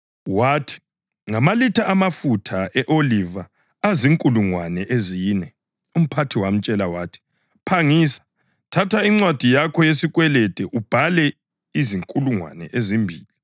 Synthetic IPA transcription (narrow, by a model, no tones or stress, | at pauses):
waːtʰi̥ | ŋamalitʰaʔamafutʰaʔɛʔolivaː | ziŋkʼuluŋwanɛʔeziːnɛ | um̩pʰatʰiwam̩t͡ʃʼɛlawaːtʰi̥ | pʰaŋiːsḁ | tʰatʰaiŋ͡ǀwad̥ʱijakʰɔjesiɣʼwɛlɛd̥ʱɛʔub̥ʱalɛ | iziŋkʼuluŋwa̰nɛ̰ʔezimbʱiːli